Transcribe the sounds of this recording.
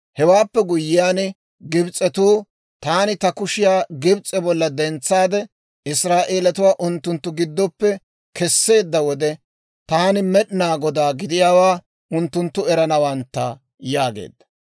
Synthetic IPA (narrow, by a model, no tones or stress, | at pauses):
hɛwaːpːɛɡʊjːɪjaːn | ɡɪbt͡sʼːɛt̪uː | t̪aːnɪt̪ɐkʊʃɪjaːɡɪbt͡sʼɛbɔlːɐd̪ɛnt͡sːaːd̪ɛ | ɪsɾaːʔe̞ːlɐt̪ʊwaːʔʊnt̪ːʊnt̪ːʊɡɪd̪ːɔpːɛ | kɛsːe̞ːd̪ːɐwɔd̪ɛ | t̪aːnɪmɛɗɪnaːɡɔd̪aːɡɪd̪ɪjaːwaː | ʊnt̪ːʊnt̪ːʊɛɾɐnɐwɐnt̪ːɐ | jaːɡḛːd̪ːɐ